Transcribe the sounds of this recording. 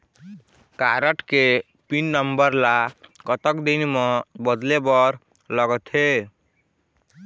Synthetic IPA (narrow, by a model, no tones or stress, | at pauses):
kaɾəʈke | pinːʌmbʌɾlaɡʌt̪əkd̪inmɔ̃bʌd̪lebʌɾ | lʌɡɔt̪ʰe